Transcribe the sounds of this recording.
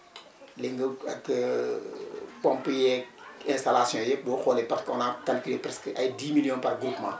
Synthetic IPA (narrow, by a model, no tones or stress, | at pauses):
leŋɡəɐk | pɔ̃mpjɛɛ̃stalasjɔ̃jebɔxɔːlepaskɔ̰nakalkyleːpɾɛskiʔɐjdiːmiljɔ̃pɐrɡɾuːpmã̰ː